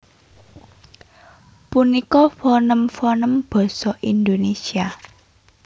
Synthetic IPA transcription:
punikɔfɔnəmfɔnəmb̥ɔ̤sɔʔind̪onesia

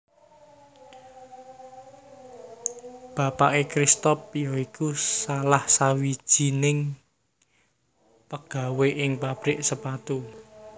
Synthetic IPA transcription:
b̥ä̤paʔekɾist̪ɔpjɔikusalahsawid̥ʒ̥i̤nɪŋ | pəɡ̥a̤weʔɪŋpab̥ɾɪʔsəpat̪u

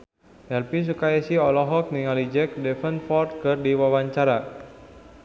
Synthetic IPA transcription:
ʔɛlpis̬ukajasiɔlɔɦɔk̚niŋalid͡ʒɛk̚dɛfənfɔrt̪̚kɨrdiwawaɲt͡ʃaɾa

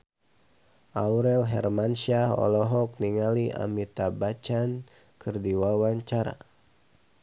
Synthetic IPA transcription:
ʔauɾɛlɦɛ̰rmansiaɦɔ̰lɔɦɔk̚niŋaliʔa̰mit̪abat͡ʃan | kʰɨrdiwawaɲt͡ʃaɾa̰

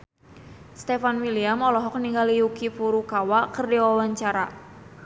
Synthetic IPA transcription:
st̪efanwiliamɔlɔɦɔk̚niŋɡaliukipuɾukawakərdiwawaɲt͡ʃaɾa

